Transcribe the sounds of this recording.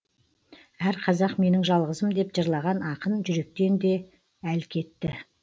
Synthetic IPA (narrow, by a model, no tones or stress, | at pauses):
æɾqʰɑzɑqme̞nɪŋʒɑlˠʁəzəmd̪e̞pʒəɾlˠɑʁɑnɑqənʒʏɾe̞k̚t̪e̞nd̪e̞ | ælkʲʰe̞t̪ːɪ